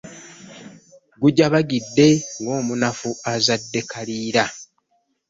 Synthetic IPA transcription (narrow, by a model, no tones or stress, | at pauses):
ɡuɟaβaɡidːe̞ŋɡo̞ːmunafuazadːe̞kaliːɾa